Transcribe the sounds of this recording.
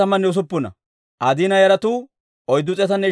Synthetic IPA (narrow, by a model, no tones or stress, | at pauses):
ɐmɐnːɛʊs̬ʊpːʊnɐ̰ | ʔɐd̪inɐjɐɾɐt̪u | ɔjd̪ːʊt͡sʼɛt̪ɐnːɛ